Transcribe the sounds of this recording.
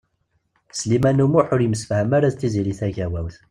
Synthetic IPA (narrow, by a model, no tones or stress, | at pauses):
slimænumʊħʊɾjəməsfhəmaɾæðt͡s̪ːiziɾiθæʝæwæwθ